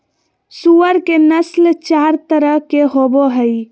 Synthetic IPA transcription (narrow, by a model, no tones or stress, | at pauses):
suəɾkenəslt͡ʃaɾt̪əɾəɦkeɦoboɦəj